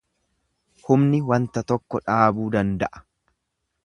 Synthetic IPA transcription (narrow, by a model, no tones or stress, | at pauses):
hʊmnɪwɐnt̪ɐt̪ɔkːɔᶑaːbuːd̪ɐnd̪ɐʔɐ̥